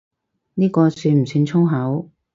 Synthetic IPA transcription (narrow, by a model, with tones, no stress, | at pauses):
niː˥kɔː˧syː˧nm̩˨˩syː˧nt͡sʰʊ˥ŋɦɐ˨˥w